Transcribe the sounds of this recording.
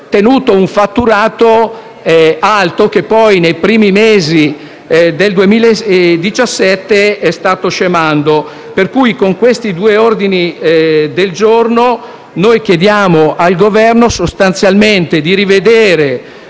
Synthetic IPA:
t̪enuːt̪ouɱfat̪ːuɾaːt̪o | alt̪ok̟epːɔjnejpɾiːmimeːzi | d̪eld̪uemiːled̪it͡ʃasːɛt̪ːeɛst̪aːt̪oʃemand̪o | perkujkoŋkwest̪id̪uːeord̪inid̪eld͡ʒorno | nojk̟jed̪jaːmoʔalɡovɛrnosost̪ant̪sjalment̪ed̪iɾived̪eːɾe

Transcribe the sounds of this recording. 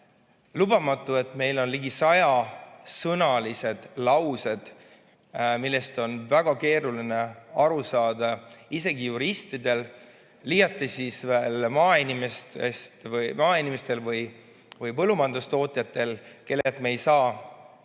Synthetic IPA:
lubɑmɑt̪ːˑue̞t̪me̞jlo̞nliɡisɑjɑsɤnɑlise̞d̪̥lɑwse̞d̪̥ | milːe̞st̪o̞nvæɡ̥ɑke̞ːɾuline̞ɑɾusɑːd̪ɑise̞ɡijuɾist̪id̪e̞l | liːjɑt̪ːˑesisveːlmɑːinimest̪est̪vjmɑːinimest̪e̞lvɯj | vɯjpɤlːumɑnd̪ust̪o̞ːt̪ʲjɑt̪ːe̞lke̞lːet̪meejsɑː

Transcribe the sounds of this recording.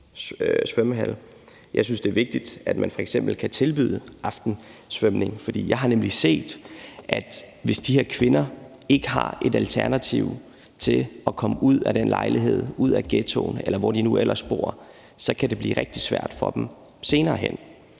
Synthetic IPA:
sʋœmɦæl | jʔɑ̈ɪs̬ynsd̥e̝ɐʋe̝ɡ̥̚d̥id̥æd̥mænfɒ̽eɡ̥sem̰b̥l̩kʰæt͡sʰe̝lb̥y̰ːð̰ˠəʔɑ̈fd̥n̩sʋœmne̝ŋfɒ̽d̥ḭːjɑ̈ɪɦɑ̈nemlise̝̰ːd̥ʔæd̥ | ʋe̝sd̥iheɐ̰kʰʋe̝nɐe̝ɡ̥əɦɑ̈e̝d̥ælt͡sʰæɐnæt͡sʰiʊ̰ | t͡sʰe̝ɒ̽kʰɒ̽məuð̞̰ˠæd̥enlɑ̈ɪliɦe̝ð̰ˠuð̞̰ˠæɡ̥et͡sʰo̰ːnelɐʋɒd̥inuʔel̰ʔɐsb̥o̝̰ːɐ̰ | sɒ̽kʰæd̥e̝b̥lḭːʁɛɡ̥̚d̥i̥sʋæ̰ɐ̰d̥fɒ̽d̥em | se̝ːnɐːɦen̰

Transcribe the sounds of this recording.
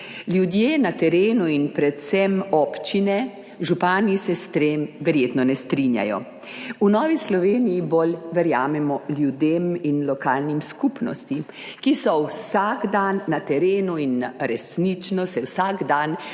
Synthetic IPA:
ljud̪jeːnat̪ɛɾeːnuinpɾɛt̪sɛmɔːpt͡ʃinɛ | ʒupaːnisɛst̪ɾemʋɛɾjeːt̪nɔnɛst̪ɾinja̰jɔ̰ | unɔːʋislɔʋeːnijibolʋɛɾjaːmɛmɔljud̪eminlɔkaːlnimskupnɔ̰st̪i | kisɔwsaɡd̪anːat̪ɛɾeːnuinɾɛsnit͡ʃnɔsɛwsaɡd̪an

